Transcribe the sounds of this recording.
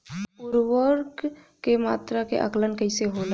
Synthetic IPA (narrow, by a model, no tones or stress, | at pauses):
uɾwəɾk | kemaːt̪ɾakḛʔə̰klənkəɪseɦola